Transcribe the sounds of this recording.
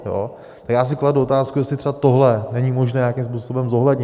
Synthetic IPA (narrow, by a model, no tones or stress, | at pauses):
jo̰ | t̪akjaːs̬ɪkladuot̪aːskujɛslɪt̪r̥ɛbat̪oɦlɛnɛɲimo̞ʒnɛːɲjakims̬puːso̞bɛmzo̞ɦlɛdɲɪ